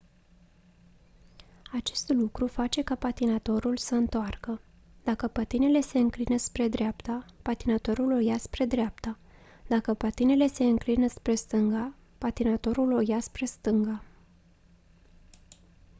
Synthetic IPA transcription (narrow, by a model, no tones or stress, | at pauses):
at͡ʃe̞st̪lukɾufat͡ʃe̞kapat̪inat̪o̞ɾulsəɨnt̪oarkə | d̪̥akəpət̪ine̞le̞se̞ɨŋklinəspɾe̞d̪ɾapt̪apat̪inat̪o̞ɾulo̞jaspɾe̞d̪ɾeap̚t̪a | d̪akəpat̪ine̞le̞se̞ɨŋklinəspɾe̞st̪ɨŋɡa | pat̪inat̪o̞ɾulo̞jaspɾe̞st̪ɨŋɡa